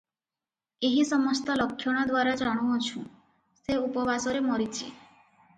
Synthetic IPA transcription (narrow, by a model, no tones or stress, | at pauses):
eɦisɔmɔst̪ɔlɔkʰːjɔɽ̃ɔd̪waɾad͡ʒaɽ̃uɔt͡ʃʰũ | seupɔbʱasɔɾemɔɾit͡ʃʰḭ